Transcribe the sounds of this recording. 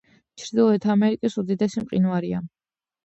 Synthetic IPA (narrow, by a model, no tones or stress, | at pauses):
t͡ʃʰɾd̪ilˠɔɛt̪ʰaamɛɾikʼisud̪id̪ɛsimqʼḭnuaɾia